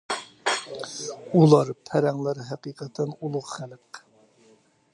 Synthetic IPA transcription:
ulˠɑɾpʰæɾɛŋlˠæɾɦæqiːqət̪ʰɛnulˠʊʁχælq

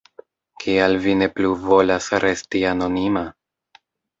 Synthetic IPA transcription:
kʰialvine̞pluvo̞lasɾʔe̞stiano̞nima

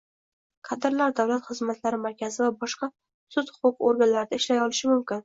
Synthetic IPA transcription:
qʰɑd̪ɪɾlaɾd̪awlat̪χɨzmat̪laɾɪmaɾkʲʰazɪvabɒʃqɑ | sʊt̪hʊ̥qʊqoɾɡʲanlaɾɪd̪aɪʃlajɒlɪʃɪmʊmkʲɪn

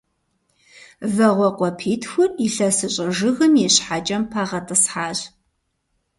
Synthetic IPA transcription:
vɐʁʷɔqʷɔpʰiːtxʷʊrʼiɬɐsɨɕʼɐʒɨɣɨmjɛɕħaːt͡ʃʼɐmpʰaːʁɐtʼɨsħaːɕ

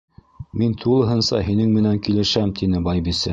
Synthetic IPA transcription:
mint̪ʰulˠɤ̆ɦɤ̆nsɑɦinɘŋmɘ̆næŋkilɘ̆ʃæmt̪ʰinɘbɑjbisɘ

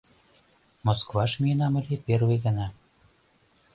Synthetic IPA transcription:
moskvɑʃmienɑmə̆lʲeperweɣə̆nɑ

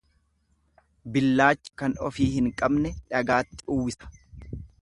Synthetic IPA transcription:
bɪlːaːt͡ʃːɪ̥kɐnɔfiːhɪŋkʼɐbnɛᶑɐɡaːt̪ːɪʔʊwːɪsɐ̥

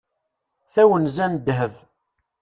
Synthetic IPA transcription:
θæwənzænd̪ɦəv

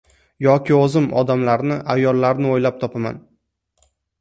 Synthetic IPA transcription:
jɒkʲɪozɪmɒd̪amlaɾnɪʔajːɒlːaɾnɪojlap̚t̪ʰɒpʰama̰n

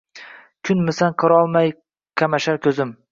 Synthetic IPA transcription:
kʲʰʊnmɪsanqʰɨɾɒlˠmaj | qʲʰamaʃaɾkʲʰɵzɪm

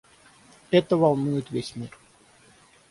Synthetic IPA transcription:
ɛt̪əvalˠnujɪt̪vʲesʲmʲir

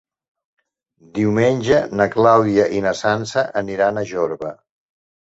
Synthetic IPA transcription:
d̪iwmenʲʒənəklawðiəʔinəsansəʔəniɾanəʒoɾβə

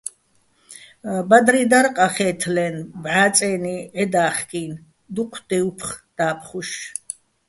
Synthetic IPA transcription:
bad̪ɾid̪aɾqʼaχɛːt̪ʰlɛnbʕaːt͡sʼɛːniɛd̪aːχkʼiːn | d̪uqʷʰd̪̥ɛupʰχd̪̥aːpʰχuʃ

